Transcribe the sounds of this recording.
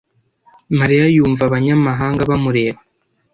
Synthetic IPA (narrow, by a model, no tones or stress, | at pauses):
maɾijajuːɱvaβaɲamaɦaːŋɡaβamuɾe̞ːβa